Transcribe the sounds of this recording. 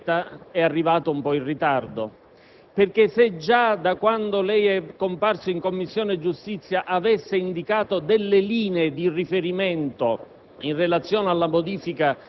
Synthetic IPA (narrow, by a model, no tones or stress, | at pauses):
t̪aɛarːivaːt̪oumpɔirit̪ard̪o | perk̟esed͡ʒad̪akwand̪olɛjɛkːomparsoiŋkomːisːjoːned͡ʒust̪it̪sːjaʔavesːeind̪ikaːt̪od̪elːeliːneːd̪irifeɾimɛnt̪o | inrːelat̪sːjɔːnalːamod̪iːfika